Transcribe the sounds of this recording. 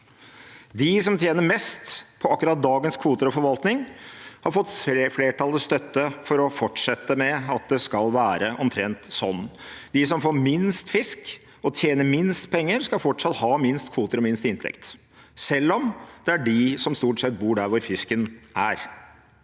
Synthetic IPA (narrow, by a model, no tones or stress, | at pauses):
d̪ɪs̬ɔmt̪ʰjeːnəɾmɛst̪pʰɔɑkːʉɾɑt̪̚d̪ɑːɡənskʰʋuːt̪əɾɔfɔɾʋɑlt̪nɪŋhɑɾfɔt̪ːfleːʈʰɑləst̪œt̪ːəfɔɾɔfɔʈʂɛt̪ːəmɛɑt̪̚d̪ɛskɑlʋæːɾəʔɔmt̪ʰɾɛnt̪sɔnː | d̪̥ɪsɔmfoːɾmɪnst̪fɪsk | ɔt̪ʰjeːnəɾmɪnst̪pʰɛŋːəɾskɑlfɔʈʂɑt̪ːhɑmɪnst̪kʰʋuːt̪əɾɔmɪnst̪ɪnt̪ʰɛ̰kt̪ | sɛlːɔmd̪̥ɛæɖɪsɔmst̪uːʈʂɛt̪ːbuːɖæɾʋʊɾfɪskənʔæɾ